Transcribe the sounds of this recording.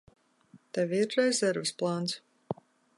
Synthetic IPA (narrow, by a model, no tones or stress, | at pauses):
t̪ɛvʲiɾːɛzʲɛɾvɨsplˠant̪s